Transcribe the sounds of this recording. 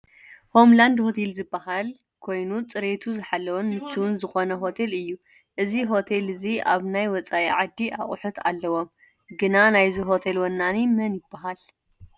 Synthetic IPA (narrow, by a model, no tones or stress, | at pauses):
ho̞mland̪ho̞t̪ʰelzɨbːahal | kʰo̞jnut͡sʼɨɾet̪ʰuzɨħalːɐwonmɨt̪ʰːuwunzɨxo̞nɐɦo̞t̪ʰelɨjːu | ʔɨziɦo̞t̪ʰelɨziʔa̰βnajwɔt͡sʼaiʕad̪ːiʔa̰χʼʊħut̪ʰa̰lːɐwo̞m | ɡɨnanajziɦot̪ʰelwɐnːanimɐnjɪbːaɦal